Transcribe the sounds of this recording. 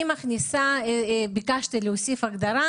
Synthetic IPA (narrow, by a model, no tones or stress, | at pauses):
imaχnisabikaʃt̪ileosifaɡd̪aɾa